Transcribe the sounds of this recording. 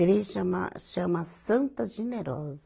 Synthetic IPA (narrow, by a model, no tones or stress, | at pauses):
ɾeʃɐ̃ma̰ʃɐ̃mɐsɐ̃nt̪ɐʒeneɾɔzɐ